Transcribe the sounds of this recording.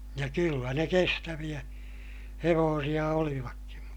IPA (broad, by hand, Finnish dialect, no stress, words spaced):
jɑ kylːæ ne kestæʋij̆æ heʋoːsij̆ɑ oliʋɑkːin̞